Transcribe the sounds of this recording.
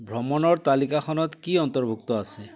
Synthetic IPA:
bʱɾɔmɔnɔɾt̪alikaxʰɔnɔt̪kiɔnt̪ɔɾbʱuk̚t̪ɔasʰe

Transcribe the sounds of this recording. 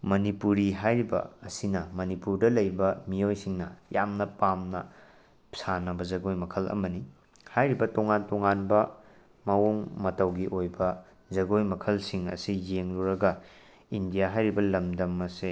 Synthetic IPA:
mɐnipuɾiɦajɾibɐ̰ːsinɐmɐnipuɾdɐlɐjbɐmijojsiŋnɐjamnɐpamnɐ | sanɐbɐzɐɡojmɐkʰɐlɐ̰mɐni | hajɾibɐtoŋantoŋanbɐ | mɐwoŋmɐtɐwɡiʔojbɐ | zɐɡojmɐkʰɐlsiŋɐ̰sijeŋluɾɐɡɐ | indijaɦajɾibɐlɐmdɐmɐse

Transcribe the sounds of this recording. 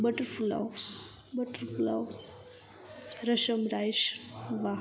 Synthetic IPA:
bəʈəɾfula̰w | bəʈəɾfula̰w | ɾəʃəmɾajʃʋa

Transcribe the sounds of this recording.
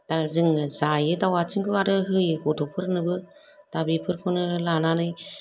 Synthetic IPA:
d̥azɯŋzajɯdawat͡ʃɯŋɡɯaɾɯɦɯjɯɡɔtʰɔpʰɯɾnɯbɯ | d̥abipʰɯɾpʰɯnɯlananɯj

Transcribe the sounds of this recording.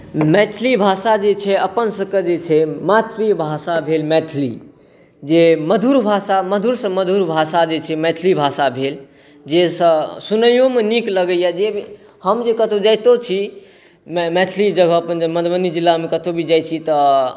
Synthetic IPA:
mɛʈʰlibʱasad͡ʒet͡ʃʰɛəpənsə̃ked͡ʒet͡ʃʰɛmat̪ɾibʱasabʱelmɛʈʰlḭ | d͡ʒeməd̪ʱuɾbʱasaməd̪ʱuɾsə̃məd̪ʱuɾbʱasad͡ʒet͡ʃʰɛmɛʈʰlibʱasabʱel | d͡ʒesə̃sunəjomenikləɡəjad͡ʒebi | həmd͡ʒekət̪ʰod͡ʒajt̪ot͡ʃʰi | mmɛʈʰlid͡ʒəɡʱəːpənməd̪bənid͡ʒilːamekət̪ʰobʱid͡ʒajt͡ʃʰit̪ɔ

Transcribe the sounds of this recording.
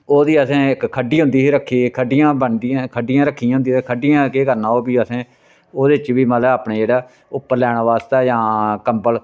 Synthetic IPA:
oːd̪iːəsẽːɪkkʰəɖːiːɦʊ̃nd̪iːsiːɾəkʰːiːkʰəɖɪijãːbəɳd̪iãːkʰəɖɪjãːɾəkʰːijãɦʊnd̪iːekʰəɖɪjãːkeːkəɾnãːoːbiːəsẽː | oːd̪eːɪt͡ʃʋiːmaːləaːpɳeːd͡ʒeːɽaː | ʊpːəɾlɛːɽ̃aːʋaːst̪aːd͡ʒãːkəmbəl

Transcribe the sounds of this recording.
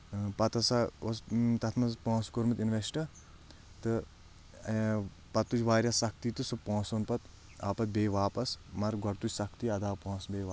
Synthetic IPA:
pɐt̪ɐsaost̪ɐt̪ʰmɐzpõːskoɾmit̪inʋesʈɐ | t̪ɨ | pɐt̪ːut͡ʃʋaːɾjasɐk̚ʰt̪it̪ɨsɨpõːsonpɐt̪ | aːpɐt̪̚beːʋaːpɐsmɐɾɡɐɾt̪ut͡ʃʲsɐkʰt̪iɐd̪aːpõːsbeːʋa

